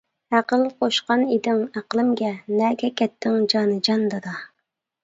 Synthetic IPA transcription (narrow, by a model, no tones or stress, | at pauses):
æqəlˠqʰoʃqɑnid̪ɪŋæqəlˠɪmɡʲɛnɛːɡʲɛkʲʰɛt̪ʰːɪŋd͡ʒɑːnɨd͡ʒɑnd̪ɑd̪ɑ